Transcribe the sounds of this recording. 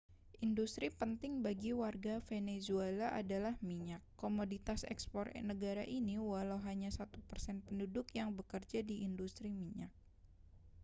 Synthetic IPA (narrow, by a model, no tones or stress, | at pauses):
ʔindust̪ɾipənt̪ɪŋbaɡiwarɡafenezuelaʔa̰dalahmiɲakːomodit̪asɛ̰kspɔrnəɡaɾaʔiniwalawɦaɲasat̪upərsɛnpəndudʊkjaŋbəkərd͡ʒadiʔːndust̪ɾimiɲak̚